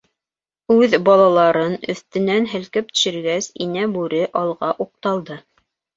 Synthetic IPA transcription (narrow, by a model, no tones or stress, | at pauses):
ʉðbɑlˠɑlˠɑɾɤnɵ̆θt̪ɘ̆nænɦɘ̆lkɘp̚t̪ɵ̥̆ʃɘ̆ɾɡæsinæbʉɾɘʔɑlˠʁɑʔuq̚t̪ɑlˠd̪ɤ